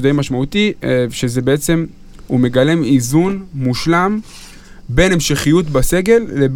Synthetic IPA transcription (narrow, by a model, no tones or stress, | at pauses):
d̪ejmaʃmaut̪iʃezebeet͡se̞m | hume̞ɡale̞mizunmuʃlam | be̞ne̞mʃeχijut̪base̞ɡe̞lːeb